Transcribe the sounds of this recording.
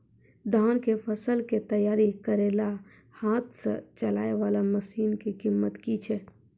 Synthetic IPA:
d̪ʱaːnkepʰəsəlket̪əjaːɾikəɾeːla | haːt̪ʰsə̰t͡ʃəlaːeʋaːlaməsiːnkekimːət̪kit͡ʃʰɛ

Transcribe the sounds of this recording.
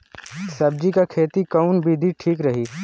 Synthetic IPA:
sɐb̚d͡ʒikakʰeːt̪ikɐʊnbʱid̪ʱiʈʰiːkɾɐɦiː

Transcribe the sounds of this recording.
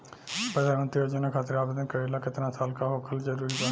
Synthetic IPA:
pɾəd̪ʱaːnmənt̪ɾioːd͡ʒənãːkʰaːt̪əɾaːbd̪ənkəilaːkɪt̪ɾãːsaːlkaːɦoːkʰəlzəɾuːɾiːbə

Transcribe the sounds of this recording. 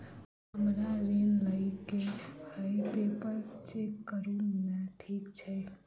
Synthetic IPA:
ɦəmɾaɾenləɪkehəjpepəɾt͡ʃekːəɾunaʈʰikt͡ʃʰɛ

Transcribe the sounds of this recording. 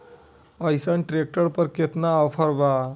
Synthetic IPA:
əjsanʈɾek̚ʈəɾpəɾket̪naːpʰəɾba

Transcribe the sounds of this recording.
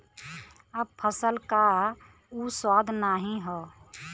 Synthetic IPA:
əb̚pʰəsəlka | uswaːd̪ʱnaːɦĩɦɔ

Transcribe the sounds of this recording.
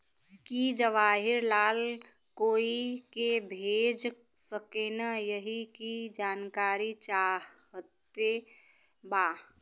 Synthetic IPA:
kid͡ʒəʋaːɦɪɾlaːl | koːikebʱeːd͡ʒ | səkenəjəɦikid͡ʒaːnkaːɾit͡ʃa | ət̪e | baː

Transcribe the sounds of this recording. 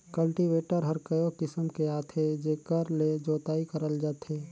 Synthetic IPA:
kəlʈiʋeːʈəɾɦəɾkəjokɪsəmkeaːt̪ʰed͡ʒeːkəɾled͡ʒoːt̪aːikəɾəld͡ʒat̪ɦeː

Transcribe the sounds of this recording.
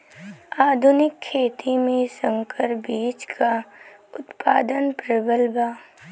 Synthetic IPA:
aːd̪ʱʊnɪkʰːeːt̪imẽsə̃ŋkʰəɾbiːt͡ʃkaʊt̪paːd̪ənpɾəbəlbaː

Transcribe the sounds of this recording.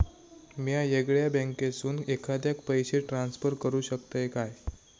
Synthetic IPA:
mjajeɡɭjabə̃ŋkesuːnekʰad̪jak̚pəjɕeʈɾansfəɾkəɾuːɕək̚t̪əekaj

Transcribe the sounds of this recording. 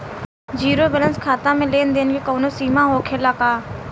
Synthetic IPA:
d͡ʒiːɾobələ̃nskʰaːt̪ãmẽleːnd̪eːnkekoːnosiːmãɦoːkʰelakaː

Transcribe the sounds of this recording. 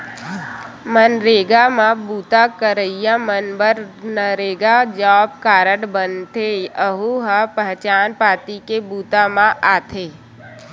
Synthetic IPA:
mənɾeːɡamãbuːt̪akəɾəijãmənbəɾnəɾeːɡad͡ʒɔːb̚kaːɾəɽbənt̪eəɦuɦapəɦt͡ʃaːnpaːt̪ikebuːt̪amãʔaːt̪ʰeː

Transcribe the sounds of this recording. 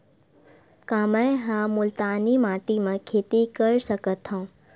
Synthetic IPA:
kaːməẽɦãmʊlt̪aːnimaːʈimãkʰeːt̪ikəɾsəkət̪ʰɦõː

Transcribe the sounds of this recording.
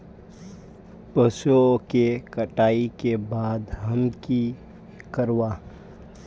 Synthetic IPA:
pəsokekəʈaːikebaːd̪ɦɐmki | kəɾwaː

